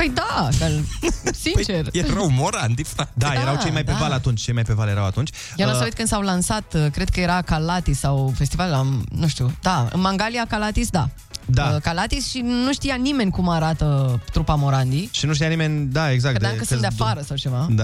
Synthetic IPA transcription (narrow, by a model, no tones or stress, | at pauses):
əjd̪aʃalsint͡ʃerjeɾawmoɾand̪iad̪ajɾeɾawt͡ʃejmajp̪evalat̪unt͡ʃʲt͡ʃe̞jmajpevalje̞ɾawat̪unt͡ʃʲ | jenossawit̪kɨnd̪sawlansat̪kɾe̞d̪̚kəje̞ɾakalat̪isawfe̞st̪ivallamnũʃt̪jud̪aɨ̰nmaŋɡaliakalat̪isd̪a | d̪akalat̪isʃinuʃt̪ijanime̞nʲkumaɾat̪ət̪ɾupamo̞ɾand̪iʃinuʃt̪ijanime̞nʲd̪aeɡzakt̪d̪akəsnd̪afaɾəsawt͡ʃe̞vad̪a